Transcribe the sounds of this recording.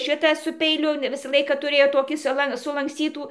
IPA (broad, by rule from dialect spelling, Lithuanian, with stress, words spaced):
ˈʃʲɪtɐ sʊ pʲɛɪˈlʲʊ ˈʋʲɪsɐ ˈlˠɐɪkɐ tʊˈrʲeːjoː ˈtoːkʲiː sʊˈlˠɐn sʊlˠɐŋksʲˈt͡sʲiːtuː